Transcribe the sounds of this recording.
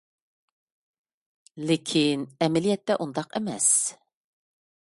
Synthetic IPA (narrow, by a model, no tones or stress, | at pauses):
lekʲʰinɛmɛlijɛt̪ːɛʔund̪ɑqɛmɛ̰s